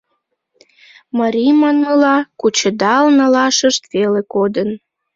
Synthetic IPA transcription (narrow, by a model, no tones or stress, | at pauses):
mɑɾʲijmɑnulɑkut͡ɕəd̪ɑlnɑlɑʃəʃt̪velekod̪ən